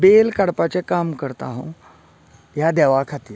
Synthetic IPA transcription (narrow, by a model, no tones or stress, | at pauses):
belkaɽpat͡sekamkəɾt̪a̰ɦõ | jad̪ɛʋakʰat̪iːɾ